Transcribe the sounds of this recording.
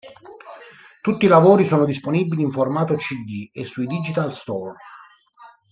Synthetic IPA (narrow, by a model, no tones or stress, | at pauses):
t̪ut̪ːilavoːɾisoːnod̪isponiːbːiliːɱformaːt̪ot͡ʃid̪iesːuid̪id͡ʒit̪alst̪ɔr